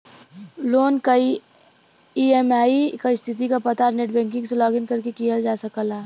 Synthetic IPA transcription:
loːnkɐi | iemaːikaist̪ʰɪt̪̬ikapɐt̪aɾneʈbɛ̃ːŋk̬ɪ̃ŋɡselɔːɡɪnkɐɾkekijəld͡ʒaːsəkəlaː

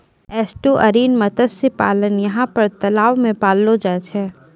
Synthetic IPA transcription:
ɛːsʈoʔɐɾiːnmɐt̪əssepa̰ːlənjɐɦãpɐɾt̪ɐlaːʋmẽpaːlːod͡ʒaːt͡ʃʰɛː

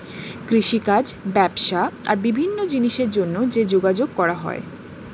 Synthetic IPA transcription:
kɾiʃikad͡ʑbɛbʃaa̰ɾbibʱinːod͡ʑiniʃeɾd͡ʑonːod͡ʑed͡ʑoɡad͡ʑoɡ̚kɔɾaɦɔ̰ḛ

